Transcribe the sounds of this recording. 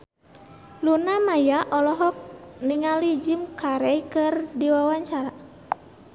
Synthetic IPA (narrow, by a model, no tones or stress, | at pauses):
lunamajaʔɔlɔɦɔk̚niŋalid͡ʒimkaɾɛjkɨrdiwawaɲt͡ʃaɾa